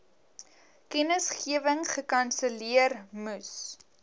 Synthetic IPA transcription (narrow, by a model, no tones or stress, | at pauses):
kɛnəsχiəvəŋχəkɐnsəliərmus